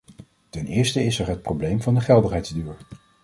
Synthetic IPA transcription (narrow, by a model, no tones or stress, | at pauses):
tɛnɪːɹstəɪsəɹɦət̚prowblejmvɑndəχɛlˠdərɦɛjdzdyːɹ